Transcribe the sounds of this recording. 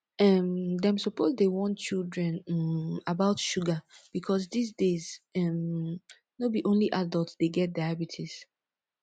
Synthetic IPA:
ɛmdɛ̃msɔpozdewɔ̃nt͡ʃilˠdɹɛ̃nabaʊtʃuɡab̥ikʰɔsdis̬dezɛm | nobiʔõnliʔadəlˠtsd̥eɡɛt̚daabitʰis

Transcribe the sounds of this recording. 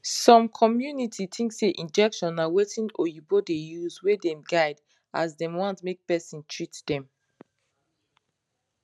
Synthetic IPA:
sɔ̃mkʰɔmjunitʰitʰĩŋkseʔĩnd͡ʒɛkʃɔ̃nːawetĩnojubodejuzwedɛ̃mɡaɪd | a̰zdɛ̃mwãntmek̚pɛsĩntʰɹitd̥ɛ̃m

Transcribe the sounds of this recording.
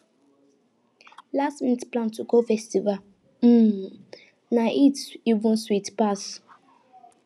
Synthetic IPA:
lastminitplãntuɡofɛstival | m̩ | naʔitivũnswitpas

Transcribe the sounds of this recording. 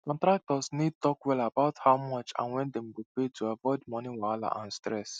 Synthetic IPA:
kɔ̃ntɾak̚tɔsnid̚tɔkwɛlabaʊthaʊmɔt͡ʃã̰nwɛ̃ndɛ̃mɡopetʰuavɔɪdmɔniwala̰ʔã̰nstɹɛs

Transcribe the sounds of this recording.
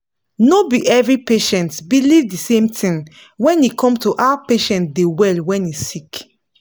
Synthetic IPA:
nobiʔɛvɹipeʃɛ̃ntbilivdisẽmtʰĩŋ | wɛ̃nikʰɔ̃mtuʔapeʃɛ̃nt̚dewɛlwɛ̃nisik

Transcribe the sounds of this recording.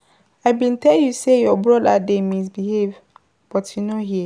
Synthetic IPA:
aɪbĩntʰɛljusejɔbɹɔdademĩs̬bihev | b̥ɔtjunoɦiɛ

